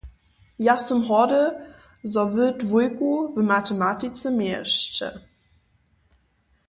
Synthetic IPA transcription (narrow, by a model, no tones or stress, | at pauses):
jasəmɦɔdə | zɔvədvujkuvəmatəmatit͡səmjɛʃt͡ʃə̰